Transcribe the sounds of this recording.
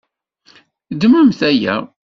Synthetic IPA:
d̪mæmθæjæ̰

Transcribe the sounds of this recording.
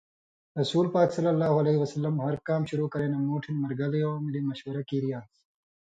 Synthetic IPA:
ɾɐsuːlpaːksɐlːɐlːaːhuɐleɦiwɐsɐlːɐmhɐɾkaːmɕuɾuːkɐɾeːnamoːʈʰinmɐɾɡɐlioːmilimɐʃwɐɾɐkiɾijaːs

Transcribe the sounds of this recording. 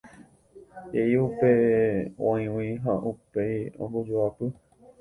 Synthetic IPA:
eiupeõĩw̃ĩɦaʔupejõ̰mɡod͡ʒoapɨ

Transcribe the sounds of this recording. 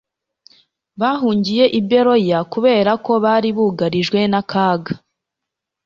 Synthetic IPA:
βaːɦuːɲɟije̞ʔibbe̞ɾo̞jakuβe̞ːɾako̞βaːɾiβuɡaɾiʒɡwe̞nakʰaːɡa

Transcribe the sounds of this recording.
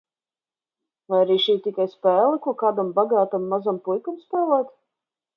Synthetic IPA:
vajaɾiːʃiːt̪ʲikajspɛːlˠɛkuɔkaːd̪ambaɡaːt̪amːazampujkamspɛːlˠɛːt̪

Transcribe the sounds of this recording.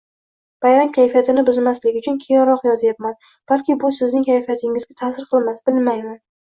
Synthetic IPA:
v̥ajɾamkʲʰajfijat̪ʰɪnɪbʊzmaslɪɡʲɪʊt͡ʃʰʊnkʲʰejɪnɾɒqjɒzjap̚man | b̥alkʲɪbʊsɪznɪŋʲkʰʲajfijat̪ʰɪŋɪzɡʲat̪ʰasɪɾqʰɨlˠmasb̥ɪlmajman

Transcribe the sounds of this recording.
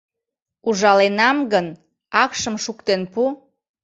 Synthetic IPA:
uʒɑlenɑmɡən | ɑkʃəmʃukt̪enpu

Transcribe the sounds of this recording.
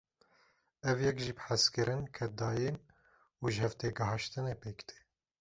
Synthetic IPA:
ɛvjɛkʒiːbħæskɨɾʔɨnkʰɛt̚d̪ɑːjen | uːʒhɛvt̪eːɡɨɦɑʃt̪ɨneːpeːkd̪e̥ː

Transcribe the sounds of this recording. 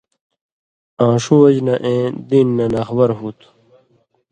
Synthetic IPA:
ãːɕuwɐd͡ʑnɐʔẽːd̪inːɐnɐxbɐɾɦuːt̪ʰ

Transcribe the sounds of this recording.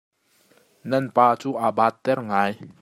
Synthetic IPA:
nanpaːt͡suʔabat̪ːɛrŋaj

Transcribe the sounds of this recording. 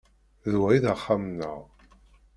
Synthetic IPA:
ðwæiðəχːamnə̰ʁ

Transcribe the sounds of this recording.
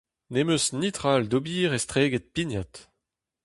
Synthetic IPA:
nemøsnit̪ʁald̪obiːʁɛst̪ʁeːɡet̪̚pinat̪

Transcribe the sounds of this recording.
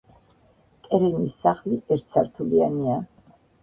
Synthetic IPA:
kʼɛɾɛnisːaχliʔɛɾt̪ʰsʰaɾt̪ʰuliania

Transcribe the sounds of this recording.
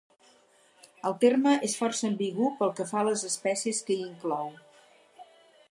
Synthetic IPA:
əlˠt̪erməʔesfɔrsəːmbiɣupəlˠkəfaləzəspɛsiəskəiŋklɔw

